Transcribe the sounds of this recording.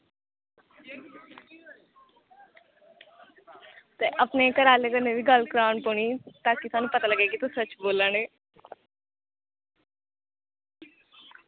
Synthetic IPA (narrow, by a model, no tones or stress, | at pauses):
t̪eːʔəpnekəɾaːleːkəneːʋiːɡəlkɾaːnpoɳ̃iːt̪aːkisaːnũːpət̪aːləɡeːɡit̪õsət͡ʃboːlə̃ɳeː